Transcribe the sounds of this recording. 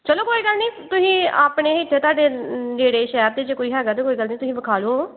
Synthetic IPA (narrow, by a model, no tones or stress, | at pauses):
t͡ʃəloːkoːiːɡəlniːt̪ʊsĩːaːpɳeːɪʈʰːeːt̪ʊaːɖeːd͡ʒeːɽeːʃɛːb̚d̪eːd͡ʒeːkoːiːɦɛːɡət̪eːkoːiːɡəlnĩːt̪ʊsĩːbəkʰaːloː